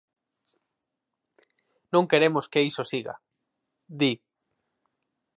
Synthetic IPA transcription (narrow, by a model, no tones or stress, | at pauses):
nõŋkeɾemoskeisosiɣa̰ | d̪i